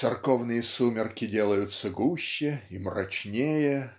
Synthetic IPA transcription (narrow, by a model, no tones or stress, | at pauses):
tsɨrkovnɨjəsumʲɪrkʲɪdʲe̞lˠəjʊt̪sːəɡuɕːɪimrɐ̰t͡ɕnʲejə